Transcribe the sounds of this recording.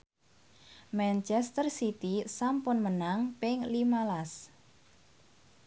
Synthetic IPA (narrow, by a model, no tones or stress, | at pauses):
mɛnt͡ʃɛst̪ərsit̪isampʊnmənaŋpɪŋlimalas